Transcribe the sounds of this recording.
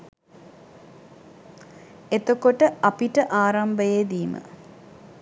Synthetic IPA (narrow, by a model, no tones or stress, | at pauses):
et̪okoʈəɐpiʈəʔaːɾɐmbəjed̪iːmə̰